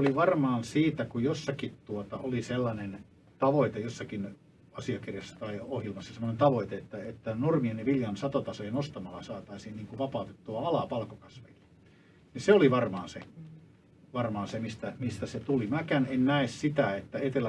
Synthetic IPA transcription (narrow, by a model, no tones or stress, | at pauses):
oliʋɑrmɑːnsiːt̪ækujosːɑkit̪t̪uot̪ɑ̰ʔoliselːɑnen | t̪ɑʋoit̪ejosːɑkin | ɑsiɑkirjɑsːɑ̥t̪ɑiohjilmɑsːɑsemːˑonent̪ɑʋoit̪eet̪ːæet̪ːænormieniʋiljɑnsɑt̪ot̪ɑsojenost̪ɑmɑlːɑsɑːt̪ɑisiːnniːŋkuʋɑpɑˑut̪et̪ːuɑɑlɑpɑlkokɑsʋḛilːe̥ | niseoliʋɑrmɑːnse | ʋɑrmɑːnsemist̪æmist̪æset̪ulimækænennæessit̪æet̪ːæet̪elːæ